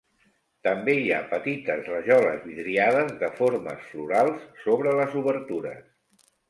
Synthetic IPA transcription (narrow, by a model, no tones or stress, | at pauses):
t̪əmbeiapət̪it̪əzrəʒɔlə̰zβiðɾiaðəzðəfoɾmə̰sfluɾalˠsːoβɾələzuβəɾt̪uɾə̰s